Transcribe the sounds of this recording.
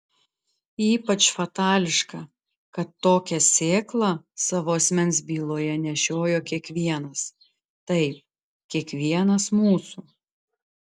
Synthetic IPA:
iːpɐt͡ʃfɐt̪ɑːlʲɪʃkɐ | kɐt̪ːoːkʲɛsʲeːklˠɐsɑːʋoːɐsʲmʲɛnʲsbʲiːlˠoːjɛnʲɛʃʲoːjoːkʲiɛkʋʲiɛnɐs | t̪ɐɪp̚ | kʲiɛkʋʲiɛnɐsmuːsu

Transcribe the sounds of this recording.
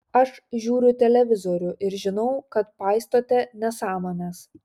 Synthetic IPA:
ɐʃʒʲuːɾʲʊt̪ʲɛlʲɛʋʲɪzoːɾʲʊʔɪɾʒʲɪnɒʊkɐt̪pɑːˑɪst̪oːt̪ʲɛnʲɛsɑːmoːnʲɛs

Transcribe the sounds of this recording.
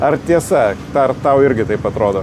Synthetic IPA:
ɐrt̪ʲiɛsɐt̪ɐrt̪ɐʊɪɾʲɡʲɪt̪ɐɪpɐt̪ɾoːd̪oː

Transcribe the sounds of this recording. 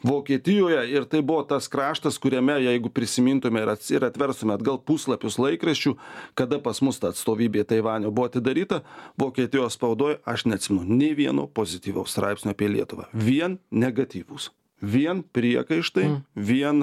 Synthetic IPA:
ʋoːkʲiɛt̪ʲɪjoːjɛɪɾt̪ɐɪbʊʋoːt̪ɐskɾɑːʃt̪ɐskʊɾʲɛmʲɛjɛɪɡʊpʲɾʲɪsʲɪmʲiːnt̪ʊmʲɛɪɾɐtɪɾɐt̪ʲʋʲɛɾst̪ʊmʲɛɐd̪ɡɐlˠpuːslˠɐpʲʊslˠɐɪkɾɐsʲt͡ʃʲuːkɐd̪ɐpɐsmʊst̪ɐːɐt̪st̪oːʋʲiːbʲeːt̪ɐɪʋɑːnʲoːbʊʋoːɐt̪ʲɪd̪ɐɾʲiːt̪ɐʋoːkʲiɛt̪ʲɪjoːspɐʊd̪oːjɛɐʃnʲɛɐt̪sʲɪmʲɛnʊnʲeːʋʲiɛno̰ːpoːzʲɪt̪ʲiːʋʲɛʊst̪ɾɑ̰ɪpsʲnʲoːɐpʲiɛlʲiɛt̪ʊʋɑ̰ːʋʲiɛnnʲɛɡɐt̪ʲiːʋus | ʋʲiɛnpʲɾʲiɛkɐɪʃt̪ɐɪʋʲiɛn

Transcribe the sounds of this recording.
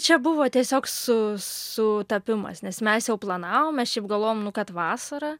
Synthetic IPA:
t͡ʃʲɛbʊʋoːt̪ʲiɛsʲoːksʊsʊt̪ɐpʲɪmɐ̰snʲɛsmʲɛsjɛʊplˠɐnɑːʋoːmmʲɛsʃʲɛɪpɡɐlˠʋoːjoːmnʊkɐt̪ʋɑːsɐɾɐ

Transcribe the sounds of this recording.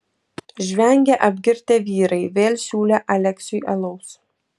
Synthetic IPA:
ʒʲʋʲɛŋʲɡʲɛʔɐbʲɡʲɪɾʲt̪ʲeːʋʲiːɾɐɪʋʲeːlʲsʲuːlʲɛʔɐlʲɛksʲʊjʔɐlˠɔʊs

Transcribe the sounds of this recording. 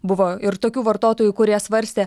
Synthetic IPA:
bʊʋoːɪɾt̪oːkʲuːʋɐɾt̪oːt̪oːjuːkʊɾʲiɛsʋɐɾʲsʲt̪ʲeː

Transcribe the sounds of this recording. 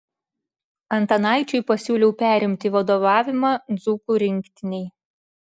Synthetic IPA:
ɐnt̪ɐnɑˑɪt͡ʃʲɛɪpɐsʲuːlʲɛʊpʲæːɾʲɪmʲt̪ʲiʋɐd̪oːʋɑːʋʲɪmɑːd̪zuːkuːɾʲɪŋʲˑkt̪ʲɪnʲɛɪ

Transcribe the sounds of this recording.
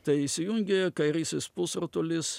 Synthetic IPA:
t̪ɐɪɪʃsʲɪjʊŋʲɡʲekɐɪɾʲiːsʲɪspʊsɾot̪olʲɪs

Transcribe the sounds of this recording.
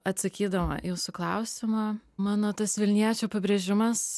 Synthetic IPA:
ɐt̪sɐkʲiːd̪ɐʋɐ̰juːsʊklˠɐʊsʲɪmɐmɑːnoːt̪ɐsʋʲɪlʲnʲiɛt͡ʃʲupʲɐbʲɾʲeʒʲɪmɐs

